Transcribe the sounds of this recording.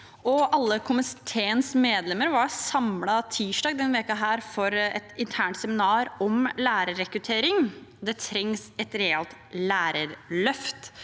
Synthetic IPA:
ɔɑlːəkʰʊmɪt̪ʰeːənsmeːd̪lɛməɾʋɑɾsɑmlɑt̪ʰiːʂɖɑːɡd̪ɛnːʋeːkəɦæːɾfɔɾɛ̰t̪ɪnt̪ʰæːɳʈt̪sɛmɪnɑːɾɔmlæːɾəɾɛkɾʉt̪ʰeːɾɪŋd̪ɛt̪ʰɾɛŋsɛt̪ɾɛɛlt̪læːɾəɾlœft̪

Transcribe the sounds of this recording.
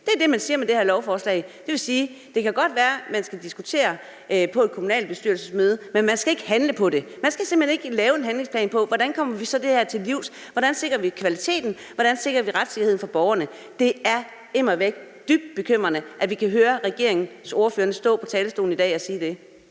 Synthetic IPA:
d̥e̝æɐd̥e̝mænsiːɐmed̥e̝hæɐlɒʊfɒːslɛ̰ɪd̥e̝ʋe̝siːd̥e̝kæɡ̥ɒ̽d̥ʋæːɐmænsɡ̥æd̥isɡ̥ut͡sʰe̝̰ːɐ | ʔpʰɒ̽e̝d̥̚kʰomunɛ̰ːld̚b̥e̝sd̥yɐlsəsmøːð̞ˠəmenmænsɡ̥æe̝ɡ̥əhænləpʰɒ̽ɾe̝mænsɡ̥æsem̥̩hene̝ɡ̥əlɛːʊe̝nɦænle̝ŋspʰlɛ̰ːnpʰɒ̽ʋɒɾænkʰɒ̽m̰ɐʋisɒ̽d̥e̝hæɐ̰t͡sʰe̝lliʊ̰s | ʋɒɾænse̝ɡ̥ʁɐʋikʰʋælit͡sʰe̝̰ːd̥n̩ | ʋɒɾ̥ænse̝ɡ̥ʁɐʋiʁad̥se̝ɡ̥ɐhe̝̰n̩fɒb̥ɒʊɐnə | d̥e̝æɐ | e̝mɐʋeɡ̥̚ | d̥yb̥̚d̥̚b̥e̝kʰøm̰ʁɐnəʔæʋikʰæɦøːɐʁɛɡ̥e̝ɐe̝ŋn̩so̝ːɐføːɐnəsd̥ɔ̰̽ːpʰɒ̽t͡sʰɛːləsd̥o̝̰ːln̩id̥ɛ̰ːɒ̽siːd̥e̝

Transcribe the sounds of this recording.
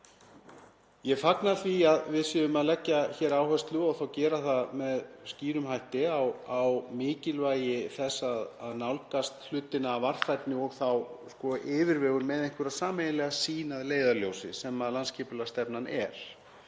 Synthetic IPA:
jɛɣfaknaθviaðvɪðsʏðʏmaðlɛcːaçɛːɾaːwhœst̪lʏɔɣθawcɛːɾaθaðmɛðsciːɾʏmhajht̪ɪawawmɪːcɪlvaːjɪθɛsːaðaðnawlkast̪l̥ʏːt̪ɪnaːvar̥fajt̪nɪɔɣθawskɔʔɪːvɪɾvɛːɣʏɾmɛðejŋ̥kʏɾaðsaːmejnɪlɛɣasiːnaðleːjðaljowsɪ̰sɛmaðlanscʰɛːpʏlast̪ɛpnanɛ̰ɾ̥

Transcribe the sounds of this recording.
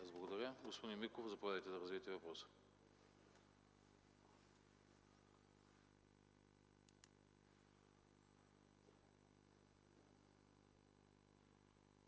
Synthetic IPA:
azblˠɐɡod̪ɐɾʲəɡospod̪inmikofzɐpovʲad̪əjt̪ɛd̪ɐɾɐzviɛt̪ɛvɐpɾɔsə̥

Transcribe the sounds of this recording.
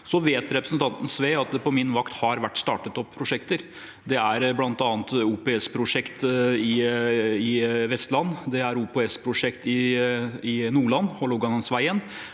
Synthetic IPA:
sɔʋeːt̪ɾɛpɾəsnt̪ʰɑnt̪n̩sʋeːɑt̪̚d̪ɛpɔmɪnːʋɑkt̪hɑɾʋæʈːst̪ɑːʈət̪ɔpʰːɾʊʂɛkt̪əɾ | d̪ɛæɾblɑnt̪ɑːnt̪uːpeɛspʰɾʊʂɛkt̪ɪ | ɪʋɛst̪lɑnːd̪ɛæɾuːpeɛspʰɾʊʂɛkt̪ɪ | ɪnuːɭɑnːhɔlɔɡɑnənsʋæɪən

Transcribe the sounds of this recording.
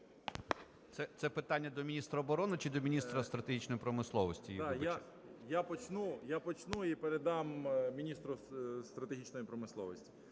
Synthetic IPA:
t̪sɛt̪sɛpɪt̪ɑnʲːɐd̪ɔmʲinʲist̪ɾɐːbɔɾɔnɪt͡ʃid̪ɔmʲinʲist̪ɾɐst̪ɾɐt̪eɦʲit͡ʃnɔjipɾɔmɪslˠɔʋɔsʲtʲij̪aja | japɔt͡ʃnujapɔt͡ʃnuipeɾed̪ɑmmʲinʲist̪ɾʊst̪ɾɐt̪eɦʲit͡ʃnɔjipɾɔmɪslˠɔʋɔsʲtʲi̥

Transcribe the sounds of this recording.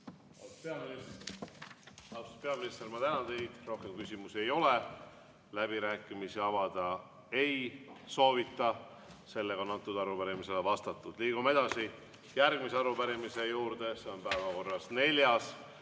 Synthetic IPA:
ɑ̰lspeɑminis | ɑlu̥spe̞ɑminist̪eɾmɑt̪ænɑnt̪e̞jd̪̥ro̞hke̞mkysʲimuse̞jo̞le | læbiɾæːkːˑimisiɑvɑd̪̥ɑ | e̞jso̞ːvit̪ˑːɑ | se̞lːeɡɑonɑnt̪ːud̪ɑɾupæɾimise̞levɑst̪ɑt̪ːˑud̪̥liːɡ̥ume̞d̪̥ɑsi | jærɡ̥̚miseɑɾupæɾimise̞juːɾd̪e̞se̞o̞npæevɑko̞rːɑsne̞ljɑs

